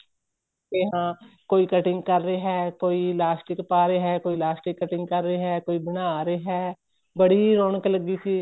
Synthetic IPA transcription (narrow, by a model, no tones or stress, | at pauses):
t̪eːɦãːkoːiːkəʈɪ̃ŋɡkəɾːeːɦɛːkoːiːlaːsʈɪkpaːɾeːɦɛːkoːiːlaːsʈɪkːəʈɪ̃ŋɡkəɾːeːɦɛːkoːiːbɪnaːɾeːɦɛː | bəɽiːɾoːɳkləɡiːsiː